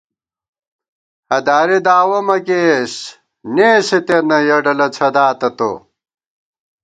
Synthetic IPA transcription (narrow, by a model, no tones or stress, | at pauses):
hɐd̪aːɾed̪aːwɐmɐkeːɕ | neːset̪enɐjɐɖɐlɐt͡sʰɐd̪aːt̪ɐt̪o̰